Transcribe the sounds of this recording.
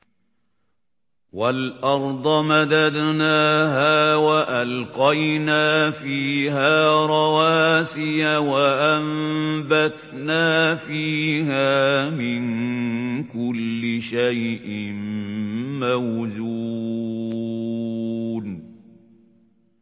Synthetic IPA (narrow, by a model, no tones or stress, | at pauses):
walʔɑɾˤd̪ˤɑmad̪ad̪naːɦaːwaʔalqɑjnaːfiːɦaːɾˤɑwaːsɪjawaʔambat̪ | naːfiːɦaːmɪn | kʊlːɪʃajʔɪm | mawzu | n